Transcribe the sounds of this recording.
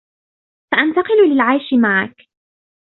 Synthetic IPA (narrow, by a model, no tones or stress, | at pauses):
saʔant̪ɑqɨlʊlɪlʕajʃɪmaʕa̰k